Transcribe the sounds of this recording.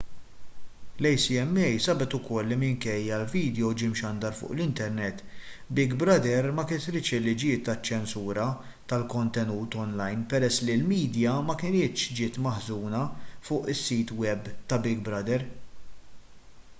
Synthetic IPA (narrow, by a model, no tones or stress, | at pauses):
lɛjsiɛmːɛjsɐbɛt̪ʊkɔlːimɪŋkɛjːɐlviːd̪jɔwd͡ʒɪmʃɐnd̪ɐɾfʊ̰ːʔlɪnt̪ɛɾnɛt̪ːbɪɡbɾɐd̪ɛɾmɐkɪt̪ɾɪt͡ʃɪlːɪd͡ʒɪt̪ːɐt͡ʃːɛnsuːɾɐ | t̪ɐlkɔnt̪ɛnuːt̪ɔnlɐjnpɛɾɛsːlilmiːd̪jɐmɐkɪnɪːt̪ʃd͡ʒɪːt̪mɐħzuːnɐfʊːʔɪsːiːt̪wɛbt̪ɐbɪɡbɾɐd̪ɛɾ